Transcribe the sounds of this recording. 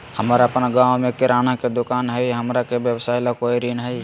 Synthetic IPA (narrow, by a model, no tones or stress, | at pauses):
həmɾapənaɡawmẽkɪɾaːnaked̪ʊkaːnɦəjɦəmɾakebjəbsaːjlakoiɾinɦəj